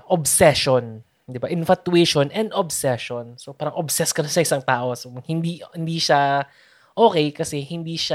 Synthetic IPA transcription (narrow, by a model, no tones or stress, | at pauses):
ʔobsɛʃon | d̪ɪbaʔɪnfɐt̪uɛʃonʔɛnd̪ʔobsɛʃonsopaːɾɐŋʔobsɛskɐnasɐʔɪsaŋt̪aːʔo̞sohɪnd̪ihɪnd̪iːʃa | ʔoːkɛjkɐsɛhɪnd̪iːʃa